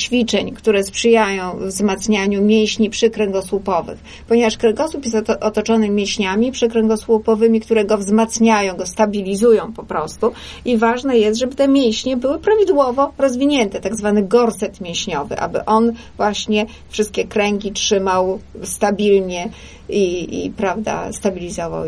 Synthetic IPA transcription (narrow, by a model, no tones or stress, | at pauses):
t͡ɕfʲit͡ʂɛɲkt̪uɾɛspʂɘjajɔ̃w̃vzmat̪sɲaɲumʲjẽw̃ɕɲipʂɘkɾɛŋɡɔswupɔvɘ̰x | pɔɲevaʂkɾɛŋɡɔswupjɛst̪ʔɔt̪ɔt͡ʂɔnɘmʲjɛ̃ɕɲamʲipʂɘkɾɛŋɡɔswupɔvɘmʲikt̪uɾɛɡɔvzmat̪sɲajɔ̃w̃ɡɔst̪abʲilʲizujɔ̃w̃pɔpɾɔst̪u | ivaʐnɛjɛst̪ʐɛbɘt̪ɛmʲjẽw̃ɕɲɛbɘwɘpɾavʲid̪wɔvɔɾɔzvʲiɲɛnt̪ɛt̪aɡzvanɘɡɔɾsɛt̪mʲjẽw̃ɕɲɔvɘ̰ʔa̰bɘ̰ʔɔn | vwaɕɲɛ | fʂɘst̪kʲɛkɾɛŋɡʲitʂɘmawst̪abʲilɲɛ | iḭpɾavd̪a̰st̪abʲilʲizɔva̰w